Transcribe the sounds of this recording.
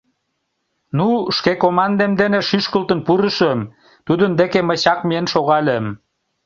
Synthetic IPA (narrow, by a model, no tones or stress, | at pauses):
nuʃkekomɑnd̪emd̪eneʃyʃkəlt̪ənpuɾəʃəm | t̪ud̪ənd̪ekeməɕɑkmienʃoɣɑlʲem